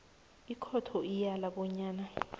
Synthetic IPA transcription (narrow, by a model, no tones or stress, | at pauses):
ikʰɔtʰɔijalaɓɔɲaːna